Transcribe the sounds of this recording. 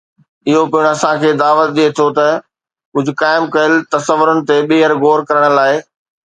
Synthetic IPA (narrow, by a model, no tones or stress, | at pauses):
ɪɦopiɪɽ̃ɐsãkʰeːd̪aːʋət̪̚ɗiet̪ʰot̪ɐ | kʊd͡ʑʱʊkaːɪmkɐəlt̪ɐsəʋʊɾʊnɪ̆t̪eɓeːɦəɾɡoːɾkɐɾəɽ̃̆laːɪ